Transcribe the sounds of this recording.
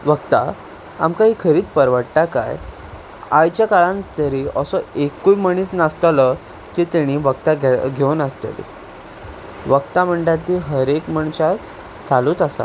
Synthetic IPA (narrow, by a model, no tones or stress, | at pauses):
ʋəkt̪a̰ | a̰mkaɦiːkʰəɾiːt͡spəɾʋəɽʈaka̰j | ajt͡ɕjakaɭãnt̪əɾiəsɔekːujməɽ̃iːsnast̪alə | kiːt̪ɛɽ̃iʋəɡt̪aɡɡʱewnast̪ə̰lḭ | ʋəkt̪am̤əɳɖat̪iɦəɾekməɳt͡ɕa | t͡saluːt̪əsa̰